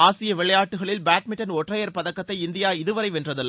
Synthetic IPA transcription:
aːsɪjɐʋɪɭɐjaːʈːɯɣɐɭɪlbaːʈmɪʈːɐnɔʈrɐjɐɾpɐðɐkːɐt̪ːɐɪɪnd̪ɪjaːɪðɯʋɐɾɐɪʋɛndrɐðɯlː

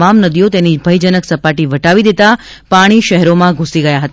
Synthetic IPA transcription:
amnəd̪ijot̪enibʱəjd͡ʒənəksəpaʈiʋəʈaʋid̪et̪a | paɽ̃iʃəɦɛɾomãɡʱũsiɡəjaɦət̪a

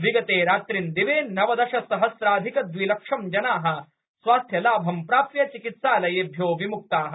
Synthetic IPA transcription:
ʋiɡɐt̪eːɾaːt̪ɾind̪iʋeːnɐʋɐd̪ɐʃɐsɐɦɐsɾaːd̪ʱikɐd̪ʋilɐkʂɐmd͡ʒɐnaːɦɐ̆ | sʋaːst̪ʰjɐlaːbʱɐmpɾaːpjɐt͡ʃikit̪saːlɐjebʱjoːʋimuk̚t̪aːɦɐ

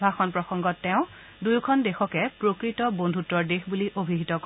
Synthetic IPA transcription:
bʱaxɔnpɹɔxɔŋɡɔtːɛʊ̃ | dujkʰɔndexɔkɛpɹokɹitɔbondʱutɔɹdexbuliʔobʱiɦitɔk

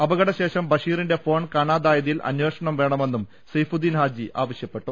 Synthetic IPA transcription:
ɐbɐɣɐɽɐɕe̞ːʂɐmbɐʂiːrinde̞fo̞ːɳkaːɳaːd̪aːjɐðijilʔɐ̰nweːʂɐɳɐmʋe̞ːɳɐme̞nːum | sɐjfud̪ːiːnɦaːd͡ʑiʔa̰ːʋɐɕjɐpːe̞ʈːu

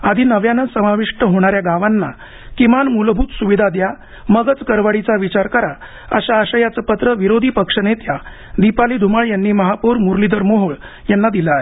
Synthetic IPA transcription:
ad̪ʱiːnəʋjanənsəmaʋiʂʈəɦoɽ̃aɾjaɡaʋanːa̰ | kimanmulbʱuːt̪suʋid̪ʱad̪ja | məɡət͡skəɾʋaɽit͡saʋit͡ɕaɾkəɾa | ə̰ɕaːɕəjat͡səpət̪ɾəʋiɾod̪ʱiːpəkʂənet̪ja | d̪ipaliːd̪ʱumaɭjanːiːməɦapuɾmuɾlid̪əɾmoɦoɭ | janːad̪ilaːɦe

